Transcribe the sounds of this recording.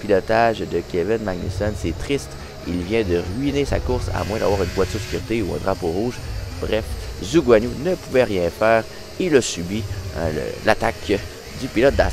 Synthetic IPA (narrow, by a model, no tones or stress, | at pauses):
pilɔt̪aʒd̪əkʲevɪnmaɡ̚ny̰sɔnsɛt̪χist̪ | ilvjɛ̃d̪əʁɥinesa̰kʊʁsa̰mwɛ̃d̪a̰vwaːʁynvwat̪yʁskʲyʁt̪euɛ̰̃ːd̪ʁapoʁuːʒbʁɛfzuɡwanunəpuvɛʁjɛ̃fɛːʁ | ilasybḭlə̰lat̪ak | d̪ypilɔt̪̚d̪a